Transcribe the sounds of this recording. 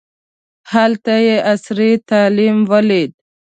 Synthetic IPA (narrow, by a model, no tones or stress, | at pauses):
halt̪ajeʔasɾit̪aːlimwəlid̪̚